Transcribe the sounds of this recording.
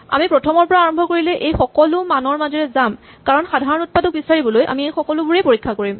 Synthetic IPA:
a̰mipɹɔtʰɔmɔɹpɔɹaaɹɔmbʱɔkoɹilɛʔejxɔkɔlʊmanɔɹmazɔɹɛzam | kaɹɔnxadʱaɹɔnut̚padɔk̚bisaɹibɔlojʔa̰miejxɔkɔlʊbuɹepoɹikʰːakoɹim

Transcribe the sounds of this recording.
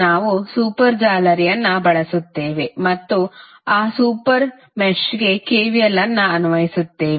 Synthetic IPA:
aːʋusuːpɐɾd͡ʒaːlɐɾijɐnːɐbɐɭɐsut̪ːe̞ːʋe̞mɐt̪ːu | aːsuːpɐɾ | met͡ʃɡe̞keːʋijɐlːɐnːɐɐnuʋɐjisut̪ːeːʋ

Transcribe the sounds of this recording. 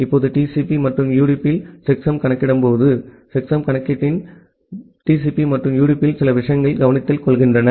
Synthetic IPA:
ɪpːoːðɯʈiːsipimɐʈrɯmjuːɽɪpːɪlsɛksɐmkɐɳɐkːɪɽɐmpoːðɯ | sɛksɐmkɐɳɐkːɪɪn | ʈiːsipimɐʈrɯmjuːɽɪpːɪlsɪlɐʋɪʂɐjɐŋɡɐɭɡɐʋɐnɪt̪ːɪlkɔɭɣɪndrɐnɐ

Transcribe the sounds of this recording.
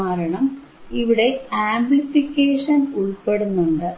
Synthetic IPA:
aːɾɐɳɐm | iʋiɽe̞aːmbɭifikʲːeːʂɐnuɭpe̞ɽunːuɳɖɨ

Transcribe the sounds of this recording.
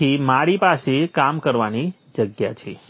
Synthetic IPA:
imaɾipasekamkəɾʋani | d͡ʒəɡja̰t͡ʃʰe

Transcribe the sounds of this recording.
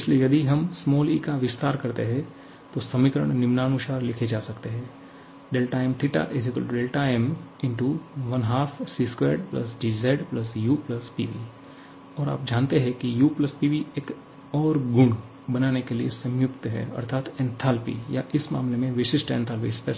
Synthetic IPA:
ɪsliejɐd̪iɦɐmsmɔːliːkaʋɪst̪aːɾkɐɾt̪eɦɛ̃ | t̪osɐmɪkɾə̰ɽɳ̃nɪmnaːnuʃaːɾlɪkʰed͡ʒaːsɐkt̪eɦɛ̃ː | ɖeːlʈaːɪmt̪ʰɪʈa̰ʔɪzɪklɖeːlʈaːɪmɪ̃ɳʈuʋɐnɦaːfʰsiːskwḛːɾɖplɐ̰sɖizaːɪɖplɐsjuplɐspiːʋḭ | ɔːɾa̰ːp̚d͡ʒaːnt̪eɦɛ̃kijuːplɐspiːʋieːk | ɔːɾɡʊ̃ŋɡ | bɐnaːnekeliesɐ̃mjʊkt̪ɦɛ̰ɐ̰ɾt̪ʰaːt̪ɛ̃nt̪ʰaːlpḭja̰ʔɪsma̰ːmlemẽʋɪʃɪʃʈɛ̰̃ːnt̪ʰaːlpispɛ

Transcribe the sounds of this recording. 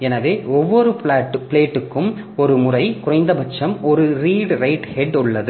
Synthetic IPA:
ɛnɐʋeːɔʋːɔɾɯpɭaːʈːɯpɪɭeːʈːɯkːɯm | ɔɾɯmʊrɐɪkʊrɐɪnd̪ɐbɐt͡ʃːɐmɔɾɯɾiːɽɾɐɪʈhɛɖʊɭːɐðɯ

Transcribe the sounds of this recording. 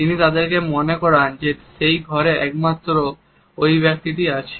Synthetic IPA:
t̪init̪ad̪eɾkemonekɔɾand͡ʑeʃejɡʱɔɾeʔɛk̚mat̪ːɾo | ojbɛk̚t̪iʈiat͡ɕʰe̥

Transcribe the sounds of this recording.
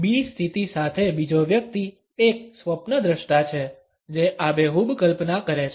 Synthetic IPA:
bist̪ʰit̪isat̪ʰebid͡ʒoʋjək̚t̪i | ek̚sʋəpnəd̪ɾəʃʈat͡ʃʰe | d͡ʒeʔabeɦubkəlpnakəɾet͡ʃʰ

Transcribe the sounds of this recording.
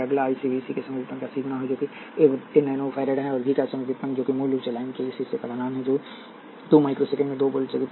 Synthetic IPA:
ɐɡlaːisibʱiːsikesɐməd͡ʒt̪ɐ̃nkasiːɡʱnaɦod͡ʒoːki | eʋenɛːnofʰɛːɾeɖɦɛ̃ɔːɾbʱikasɐməd͡ʒɪt̪ːɐ̃nd͡ʒoːkimoːluʋt͡ʃelaːɪnkeɪsisepɐd̪anaːnɦɛ̃d͡ʒoː | t̪uːmaːɪkɾosekə̃mẽd̪oːbəlseɡ̪

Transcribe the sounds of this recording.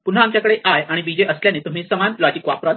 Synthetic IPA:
pun̤ɦaːmt͡ɕjakəɽeʔajaɽ̃ibid͡ʑeʔəsljanet̪um̤iːsəmanlɔd͡ʑikʋa̰pɾa

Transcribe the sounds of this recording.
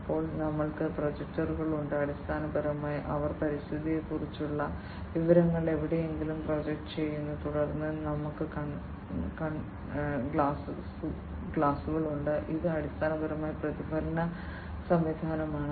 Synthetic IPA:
pːo̞ːɭnɐmːɐɭkɨprod͡ʑek̚ʈɐruɣɐɭuɳɖɨɐɽist̪ʰaːnɐbɐɾɐmaːjɐʔɐʋɐrpɐɾist̪ʰid̪ijekurit͡ɕːuɭːɐ | ʋiʋɐɾɐŋːɐɭe̞ʋiɽe̞jeŋɡilumprod͡ʑek̚ʈːɨt͡ɕe̞jːunːɐt̪uɽɐrnːɨnɐmukːɨkɐ | kɐɳ | ɡɭaːss | ɡɭaːsuɣɐɭuɳɖɨʔiðɨɐɽist̪ʰaːnɐbɐɾɐmaːjɐprɐðibɐɾɐnɐ | sɐmʋid̪ʱaːnɐmaːɳɨ

